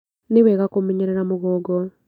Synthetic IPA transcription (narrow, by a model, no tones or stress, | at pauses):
newɛɣakomeɲeɾeɾamoɣɔːɡɔ